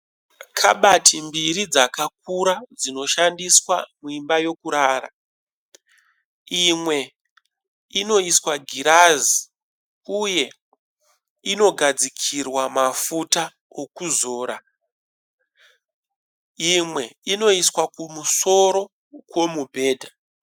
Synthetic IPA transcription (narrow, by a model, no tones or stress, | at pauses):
kʰa̰ɓatimbiɾid͡zakak̚uɾad͡zino̞ʃandiswa̰muimbajo̞kuɾaːɾa̰ | imwe̞ | ino̞iswaɡʱiɾazi | uje̞ | ino̞ɡʱad͡zikʰirwamafuta | okuzo̞ːɾa | imwe̞ino̞iswakumuso̞ɾo̞ | kwo̞mubʱe̞ːdʱa